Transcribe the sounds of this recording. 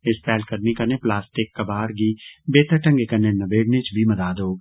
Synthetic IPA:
ɪst̪ɛːlkɐɾnikɐneplaːsʈɪkːɐbaːɾɡibeːt̪əʈɐ̃ŋɡekɐnenɐbeːɽnet͡ʃbʱimɐd̪aːd̪ɦoː

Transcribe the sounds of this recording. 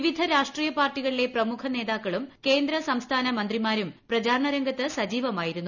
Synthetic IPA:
ʋid̪ʱɐɾaːʂʈriːjɐpaːrʈːiɣɐɭile̞prɐmukʰɐne̞ːðaːkːɐɭumke̞ːnd̪ɾɐsɐmst̪ʰaːnɐmɐnd̪rimaːɾumprɐd͡ʑaːɾɳɐɾɐŋɡɐt̪ːɨsɐd͡ʑiːʋɐmaːjiɾunːu

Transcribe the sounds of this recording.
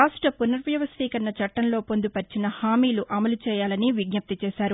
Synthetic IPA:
aːsʂʈɾɐpunɐɾʋjɐʋɐst̪iːkɐnːɐt͡ʃɐʈːɐnlo̞ːpond̪upɐɾt͡ʃinɐhaːmiːluʔɐmɐlut͡ʃɛːjaːlɐniʋiɡ̚ɲɐp̚t̪it͡ʃɛːʃaːɾu

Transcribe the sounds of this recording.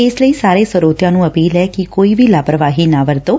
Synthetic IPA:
esləisaɾesəɾot̪janũəpiːlɛkikoiʋilapɾəʋaɦinaʋəɾt̪o

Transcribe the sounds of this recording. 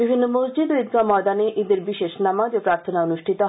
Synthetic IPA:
bibʱinːomosd͡ʑid̪oid̪̚ɡamɔd̪aneʔid̪eɾbiʃeʃnamad͡ʒopɾaɾt̪ʰonaonuʃʈʰit̪o

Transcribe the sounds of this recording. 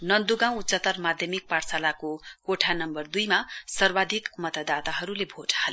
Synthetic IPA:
nʌnd̪uɡãw̃utːsʌt̪ʌrmad̪ʱjʌmik̚paɽsalakokoʈʰanʌmbʌrd̪ujmasʌrbad̪ʱikmʌt̪ʌd̪at̪aɦʌɾulebʱoʈʰahal

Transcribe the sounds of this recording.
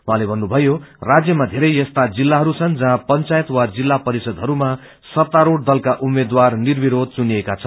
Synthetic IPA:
uɦãlebʱʌnːubʱʌjorad͡zjʌmad̪ʱeɾʌjʌst̪ad͡zilːaɦʌɾut͡sʰʌnd͡zʌɦãpʌnt͡sajʌt̪wad͡zilːapʌɾisʌd̪ɦʌɾuma | sʌt̪ːaɾoɽd̪ʌlkaʔumed̪warnirbiɾod̪̚ʱt͡suniekat͡sʰʌn

